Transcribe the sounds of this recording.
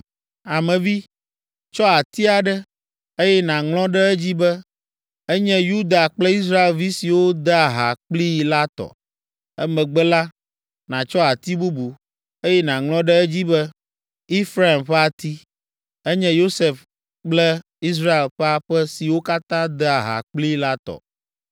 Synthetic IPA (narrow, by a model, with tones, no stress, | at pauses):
a˨mɛ̃˨vi˦ | t͡ʃɔ˦a˨t̪i˦a˨ɖɛ˦ | e˦jɛ˦nã˨ŋlɔ̃˦ɖɛ˦ɛ˦d͡ʑi˦bɛ˦ | ɛ˦ɲɛ̃˦ju˦d̪a˨k͡plɛ˦i˦s̬ɾa˦e˨lvi˦si˨wo˦d̪ɛ˦a˨ɦa̰˨k͡pli˦˨la˦t̪ɔ̰˨ | ɛ˦mɛ̃˨ɡ͡bɛ˦la˦ | nã˨t͡ʃɔ˦a˨t̪i˦bu˦bu˨ | e˦jɛ˦nã˨ŋlɔ̃˦ɖɛ˦ɛ˦d͡ʑi˦bɛ˦ | i˦fɾa˦e˨mɸɛ˦a˨t̪i˦ | ɛ˦ɲɛ̃˦jo˦se˨f | k͡plɛ˦ | i˦s̬ɾa˦e˨lɸɛ˦a˨ɸɛ˦si˨wo˦ka˦t̪ã˦d̪ɛ˦a˨ɦa̰˨k͡pli˦la˦t̪ɔ̰˨